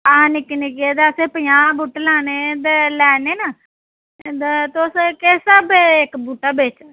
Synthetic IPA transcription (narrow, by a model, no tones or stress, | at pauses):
aãːnɪknikeːd̪eəseːpəjãːbuːʈlaːneːd̪elɛːneːnaː | d̪t̪ːskeːsəbeɪkbuːʈːaːbeːt͡ʃa